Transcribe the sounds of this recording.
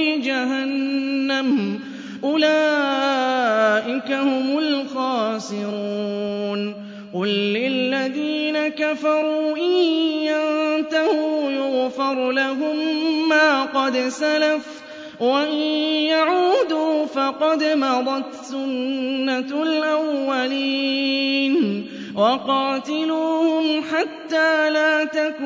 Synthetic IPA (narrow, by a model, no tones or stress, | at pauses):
ɪd͡ʒaɦanːam | ʔʊlaː | ʔɪkahʊmʊlxaːsɪɾuuːn | qʊlːɪlːaðiːnakafɑɾˤuːʔɪjjant̪ahʊjʊɣfɑɾˤlaɦʊmːaːqɑd̪salaf | waʔɪnjaʕuːd̪uːfɑqɑd̪mɑd̪ˤɑt̪sʊnːalʔawːaliːn | wɑqɑːt̪ɪluːhʊmħat̪ːaːlaːt̪akː